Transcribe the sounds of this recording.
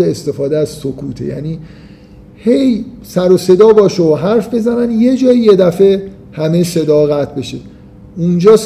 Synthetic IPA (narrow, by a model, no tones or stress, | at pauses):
eest̪e̞fɒːd̪eæzsokʰuːt̪ʰejæ̰niː | he̞jsæɾose̞d̪ɒːbɒːʃeoɦæɾfbe̞zænænje̞d͡ʒɒːije̞d̪æfe̞ | hæme̞se̞d̪ɒːɣæt̪ʰbe̞ʃe | und͡ʒɒːs